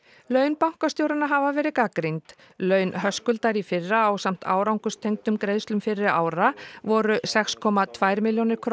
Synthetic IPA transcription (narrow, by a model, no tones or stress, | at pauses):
lœːɥnpawŋ̥kast̪jowɾanaɦavavɛːɾɪkakɾijnt̪ | lœːɥnɦœskʏlt̪aɾifɪrːaːwsam̥t̪ʰa̰ːwɾawŋkʏst̪ʰejŋk̚t̪ʏmkɾejðst̪lʏmfɪrːɪɾa̰ːwɾavɔɾʏsɛkskʰɔmat̪ʰvajɾmɪljownɪɾ̥kʰɾ